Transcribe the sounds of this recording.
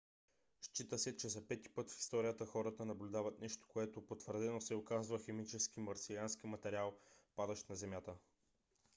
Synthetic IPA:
ʃt͡ʃit̪əsɛt͡ʃɛzɐpɛt̪i̥pɤt̪fi̥st̪ɔɾijət̪əxɔɾət̪ənɐblʲʊd̪avət̪nɛʃt̪o̥koɛt̪opot̪vəɾd̪ɛnosɛokazvəxɛmit͡ʃɛskimɐɾsilanskimɐt̪ɛɾialˠpad̪ɐʃt̪nɐzɛmjat̪ə

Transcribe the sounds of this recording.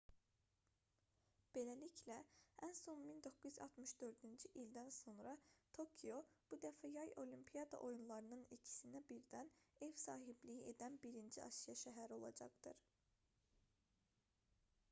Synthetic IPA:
b̥e̞læliclæænso̞mmind̪o̞kːuzyzɑ̰lˠt̪ʰmɯʃd̪ø̞ɾd̪ynd͡ʒiʔild̪ænso̞nɾɑt̪ʰo̞kʰijo̞b̥ud̪æfæjɑjo̞limpʰijɑd̪ɑ̰ʔo̞junlˠɑɾɯnɯnicʰi̥sinæbiɾd̪æne̞vsɑːɦiblijiʔe̞d̪ænbiɾind͡ʒiʔɑ̰ʃijɑʃæɦæɾio̞lˠɑ̰d͡ʒɑ̰ɡd̪ɯɾ

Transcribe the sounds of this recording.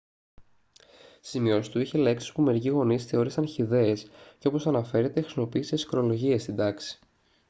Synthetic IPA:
simio̞si̥t̪uiçe̞leksi̥spume̞ɾiciɣo̞nisθe̞o̞ɾisɐnçiðe̞ːsceo̞po̞sɐnɐfe̞ɾet̪e̞xɾisimopiːsesxɾo̞lo̞ʝie̞st̪id̪ɐksi̥

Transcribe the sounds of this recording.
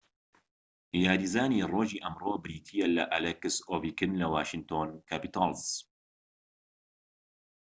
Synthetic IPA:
jaːɾiːzaːniːroːʒiːʔɐmroːbɨɾiːt̪ʰijɛlɐʔalɛkɨsoːviːkɨnlɐwaːʃɨnt̪ʰoːnkʰaːpit̪ʰɑlz

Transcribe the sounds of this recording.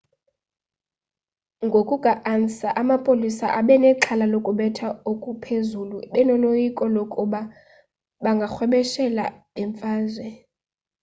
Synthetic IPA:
ŋɡʱokʼuɡ̥ʱaʔansaʔamapʼolisaʔaɓɛnɛǁʰalalokʼuɓɛtʰaokʼupʰezuluɓɛnɔlojikʼɔlokʼuɓa | ɓaŋɡʱaxwɛɓɛʃɛla̰ | ɛɱfaːzwɛ

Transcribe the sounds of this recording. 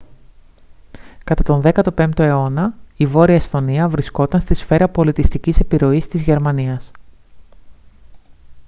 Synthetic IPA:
kɐt̪ɐt̪o̞nðe̞kɐt̪o̞pe̞nt̪oe̞o̞nɐivo̞ɾiɐest̪o̞niɐvɾisko̞t̪ɐnst̪isfe̞ɾɐpo̞lit̪ist̪icise̞piɾo̞ist̪izʝe̞ɾmɐniɐs

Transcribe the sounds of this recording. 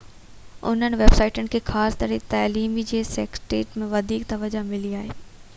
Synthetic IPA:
ʊ̰n̤ənɪ̆ʋeːb̥saːɪʈənɪ̆kʰeːxaːst̪ɐɾet̪aːliːmid͡ʑeːseːksʈeːʈmẽʋɐd̪ʱiːk̚t̪ɐʋəd͡ʑamɪliaːɦeː

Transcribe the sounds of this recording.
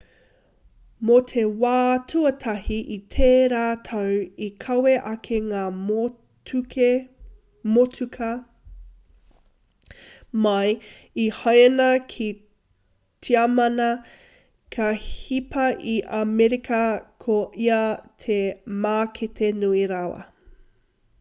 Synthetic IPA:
motʰewaːtʰuɐtʰɐhiʔitʰeːɾaːtʰɐwikʰɐweʔɐkʰeŋaː | ke | motʰukʰɐ | mɐj | ihɐjnɐkʰi | tʰiamɐnɐ | kʰɐhipɐʔiʔamɛɾikʰɐkʰoʔiɐtʰemaːkʰetʰenuiɾawɐ̰

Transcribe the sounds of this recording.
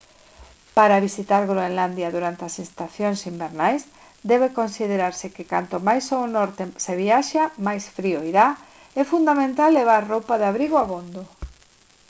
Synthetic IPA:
paɾaβisit̪aɾɣɾoenland̪jaðuɾant̪easinst̪aθjoŋsimbeɾnajs | d̪ɛβ̞ekonsið̞eɾaɾsɪkeka̰nt̪omajsonɔɾt̪eseβ̞iaʃamajsfɾioiɾa | ɛfund̪amẽnt̪alːeβ̞aɾrowpaðeaβɾiɣoaβond̪o

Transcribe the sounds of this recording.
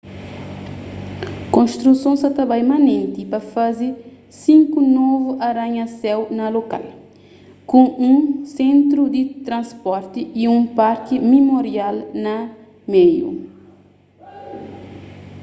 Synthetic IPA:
kõnʃt̪ɾusõsɐt̪ɐbajmanẽnt̪ipɐfazi | sĩŋkunovuʔaɾaɲɐsɛwnɐloka̰l | kõũsẽnt̪ɾud̪it̪ɾɐ̃nspɔɾt̪iiũmpaɾkimimoɾialnɐ | mejṵ

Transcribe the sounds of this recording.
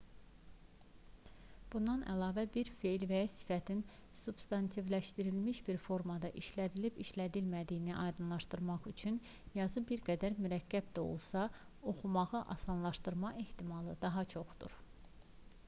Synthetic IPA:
b̥und̪ɑnʔæ̰lɑːvæbiɾfe̞jlvæjɑsi̥fæt̪ʰinsub̥st̪ɑnt̪ʰivlæʃt̪iɾilmiʃbiɾfo̞ɾmɑd̪ɑʔiʃlæd̪ilibiʃlæd̪ilmæd̪ijniʔɑjd̪ɯnlˠɑʃt̪ɯɾmɑχyt͡ʃʰyn | jɑzɯbiɾɡæd̪æɾmyɾæcʰːæb̚d̪æo̞̰lˠsɑ | o̞χumɑʁɯʔɑ̰sɑnlˠɑʃt̪ɯɾmɑʔeht̪imɑlˠɯd̪ɑɦɑt͡ʃʰo̞χd̪ṵɾ

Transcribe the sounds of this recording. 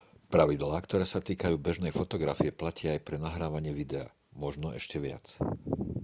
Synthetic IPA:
pɾaʋid̪laːkt̪ɔɾɛːsat̪iːkajuːbɛʒnɛjfɔt̪ɔɡɾa̰fiɛplacɪaajpɾɛnaɦɾaːʋaɲɪɛʋid̪ɛa̰ː | mɔʒnɔɛ̰ʃcɛʋɪa̰t͡s

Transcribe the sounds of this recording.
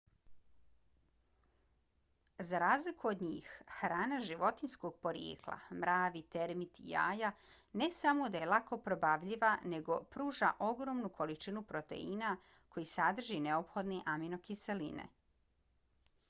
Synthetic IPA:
zaɾaːzlikuod̪ɲiːxxɾaːnaʒiʋo̞t̪inskoɡ̚po̞ɾjḛːklˠa̰mɾaːʋit̪eɾmit̪ḭja̰ːja | ne̞samo̞d̪ajelˠako̞pɾo̞baʋʎiʋane̞ɡo̞pɾuːʒa̰ʔo̞ɡɾo̞mnukʰo̞lit͡ʃinupɾo̞t̪e̞̰ina | ko̞jisad̪r̩ʒineopxo̞d̪niʔamino̞kiselḭnḛ

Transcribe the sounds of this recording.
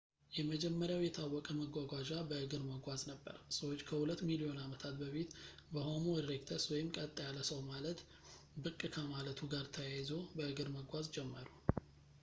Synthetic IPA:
jɛməd͡ʒɛmːəɾjawjɛt̪ʰawːɔkʼəməɡʷaɡʷaʒabəʔɨɡɨɾməɡʷaznəbːə̰ɾsəwot͡ʃːkʰəhulət̪ːmilio̞namət̪ʰat̪bəfit̪ | bəho̞moɾekt̪ʰəswɔjɪmkʼət̪ʼːajalːəsəwmalət̪ | bɨkʼːɨkʰamalət̪ʰuɡaɾt̪ʰəjajzo̞bəʔɨɡɨɾməɡʷazd͡ʒɛmːəɾu

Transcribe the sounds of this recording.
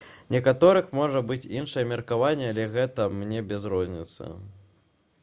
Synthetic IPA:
nʲɛkat̪ɔɾɨxmɔʐɐbɨt͡sʲinʂɐjɛmʲɐrkavanʲːɛalʲɛɣɛt̪ɐmnʲɛbʲɛzɾɔzʲnʲit̪sɐ̰

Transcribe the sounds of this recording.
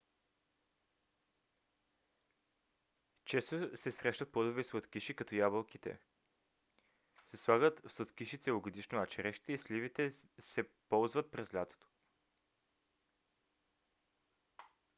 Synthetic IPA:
t͡ʃɛst̪osɛsɾɛʃnət̪̚plˠod̪ovɛsvət̪kiʃikɐt̪ɔjabəlˠkit̪ɛ̰ | sɛslˠaɡət̪fsot̪kiʃit̪sɛvoɡod̪iʃnoat͡ʃɛɾɛʃit̪ɛislivit̪ɛsɛpɔlˠzvət̪̚pɾɛzlʲat̪o̥t̪o̥

